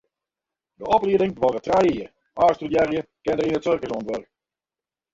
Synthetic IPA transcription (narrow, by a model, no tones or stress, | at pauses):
dəɔpliədɪŋəʋɔrətrɛjiər | aːstudjɛrjəkɪndərinətsørkəsɔntʋørk